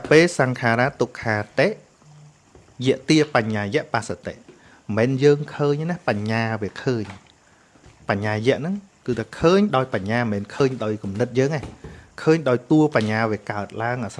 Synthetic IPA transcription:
peːlsaŋkʰaːɾaːt̪ukʰːaːt̪eːʔ | jɛəʔt̪iəpaɲːaːjɛ̆əʔpaːsat̪ḛʔ | mɛːnjəːŋkʰəːɲnahpaɲːaːʋiəkʰəːɲ | paɲːaːjɛ̆əʔnɨŋ | kɨːt̪ʰakʰəːɲɗaɔjpaɲːaːmɛːnkʰəːɲɗaɔjkumnɨt̪̚jəːŋajkʰəːɲɗaɔjt̪uəpaɲːaːʋiəkaət̪̚laəŋʔaːs

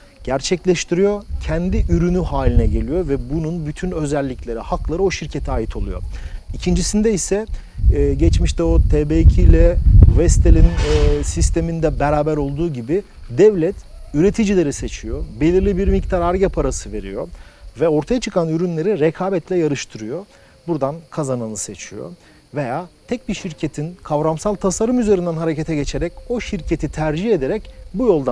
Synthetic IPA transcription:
ɟ̥æɾt͡ʃʰɛclʲɛʃt̪ʰiɾijo̞cʰɛnd̪iʔyɾynyhaːlʲinɛɟe̞lʲijo̞vɛbununbyt̪ʰynø̞zɛlʲːiclʲe̞ɾihaklˠaɾɯo̞ʃiɾcʰe̞t̪ʰiaːjit̪ʰo̞lˠujo̞̰icʰind͡ʒisind̪ɛisɛː | ɟɛt͡ʃmiʃt̪ɛot̪ʰeːbecʰilʲɛvɛst̪ʰelʲinsist̪ʰe̞mind̪ɛbɛɾaːbæɾo̞lˠd̪uːɟibi | d̪ɛvlʲɛt̪yɾe̞t̪ʰid͡ʒilʲe̞ɾise̞t͡ʃʰijobe̞lʲiɾlʲibiɾmict̪ʰaɾaɾɟapʰaɾasɯve̞̰ɾḭjo̰vɛo̞ɾt̪ʰajat͡ʃʰɯkʰanyɾynlʲe̞ɾiɾɛkʰaːbɛt̪ʰlʲɛjaɾɯʃt̪ʰɯɾɯjo̞ | buɾd̪ankʰazanɯnɯse̞t͡ʃʰijo̰ | ve̞jaːt̪ʰɛc̚biʃiɾcʰe̞t̪ʰinkʰavɾamsalˠt̪ʰasaɾɯmyze̞ɾind̪ænɦaɾecʰet̪ʰɛɟe̞t͡ʃʰeɾɛco̞ʃiɾcʰe̞t̪ʰit̪ʰæɾd͡ʒihe̞d̪eɾɛcbujo̞lˠd̪a

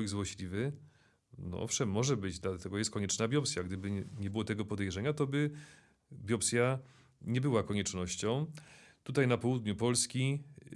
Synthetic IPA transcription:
iɡzwɔɕlʲivɘ | nɔ̰ʔɔ̰fʂɛmːɔʐɛbɘd͡ʑd̪lat̪ɛɡɔjɛst̪̚kɔɲɛt͡ʂnabʲjɔpsʲjaɡd̪ɘbɘɲɛbɘwɔt̪ɛɡɔpɔd̪ɛjʐɛɲat̪ɔbɘ | bʲjɔpsʲja | ɲɛbɘwakɔɲɛt͡ʂnɔɕt͡ɕɔ̃w̃t̪ut̪ajnapɔwud̪ɲupɔlskʲi

